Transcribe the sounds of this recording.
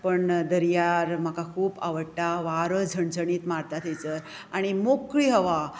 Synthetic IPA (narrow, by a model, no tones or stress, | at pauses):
pəɳd̪əɾjaɾm̤akakʰuːba̰ʋəɽʈaʋaɾəd͡zʱəɳd͡zəɳiːt̪maɾt̪at̪ʰejt͡səɾ | aɽ̃imokɭiːɦəʋa